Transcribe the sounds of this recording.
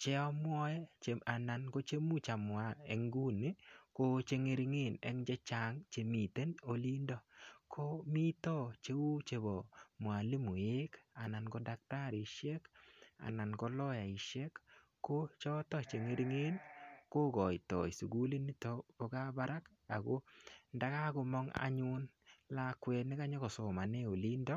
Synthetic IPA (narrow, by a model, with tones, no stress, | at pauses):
t͡ʃɛ˦ɔ˦mwɔ˦jɛ˦t͡ʃa˨na˨nɡo˦t͡ʃe˦mu˦t͡ʃa˨mʊ˨a˨ɛ̰˨ŋɡu˦ni˦ko˦t͡ʃe˦ŋe˦ɾi˦ŋe˦˨nɛ˨˦ŋd͡ʒɛ˦t͡ʃa˨ŋt͡ʃe˨mi˨te˦no˨li˦ndɔ˨kʰo˦mi˦t̪ɔ˦t͡ʃe˦wu˦t͡ʃe˨bo˨mʊ˨a˨li˦mu˨e˦ka˨na˨nɡɔ˦da˦k̚ta˦ɾi˨ʃɛ˦ka̰˨na˨nɡɔ˦lɔ˦ja˨i˨ʃɛ˦kː | o˦t͡ʃɔ˦tɔ˦t͡ʃe˨ŋe˦ɾŋe˦nko˦ɡɔ˨ɪ˨tɔ̰˨jsu˨ɡu˦li˦ni˦tɔ˨˦b̥ɔ˨ɡa˦ba˦ɾa˦k | a˨ɡo˦nda˦ka˦ɡʊ˧mɔ˦ŋa̰˨˦ɲu˦n | la˦kwɛ˨nɪ˦ka˦ɲɔ˦kɔ˨so˨ma˨ne˦o˨li˦ndɔ˦